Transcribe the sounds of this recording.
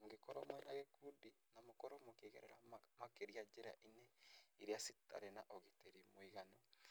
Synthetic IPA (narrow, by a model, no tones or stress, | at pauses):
mɡekɔɾomwɛnaɣekudi | namokɔɾomokeɣeɾɛɾamakeɾiad͡ʒeɾa̰ʔineiɾiasita̰ɾenaʔoɣiteɾimoiɣano